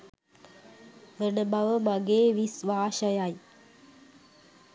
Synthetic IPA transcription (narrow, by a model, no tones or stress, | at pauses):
ʋənəbʱaʋəməɡeʋisʋaːɕəjaji